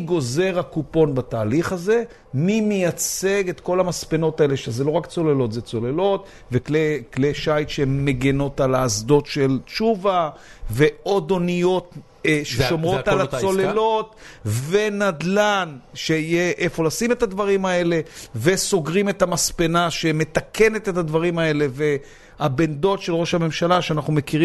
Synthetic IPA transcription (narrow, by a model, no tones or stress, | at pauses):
ɡo̞ze̞ʁakupo̞nbataːliχaze̞ | mimejat͡se̞ɡe̞t̪ko̞lamaspe̞no̞tae̞le̞ʃezelo̞ʁakt͡so̞lelo̞t̪zet͡so̞le̞lo̞t | veklekleʃajt̪ʃeemːeɡeno̞talaːzdo̞tʃe̞lt͡ʃuva | ve̞o̞do̞nijo̞t̪ | ʃeʃomʁotalaolelo̞t̪ve̞nadlanʃe̞ijeʔefo̞lasimet̪ad̪vaʁimae̞le̞ve̞so̞ɡʁime̞t̪amaspenaʃe̞me̞t̪ake̞ne̞t̪e̞tad̪vaʁimae̞le̞ve̞ | abe̞nd̪o̞tʃe̞lʁo̞ʃhame̞mʃalaʃeanaχnume̞kiʁi